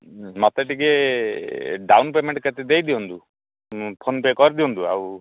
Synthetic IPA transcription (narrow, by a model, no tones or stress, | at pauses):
mɔt̪eʈike | ɖawnpemeɳʈket̪ed̪ejd̪iɔnt̪u | pʰonpekɔɾid̪iɔnt̪ua̰w